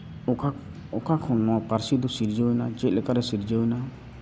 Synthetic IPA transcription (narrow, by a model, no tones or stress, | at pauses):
ɔkʰakʰɔnːɔwapaɾsid̪usiɾd͡ʒɔjnad͡ʒet̪̚lɛkaɾɛsiɾd͡ʒajna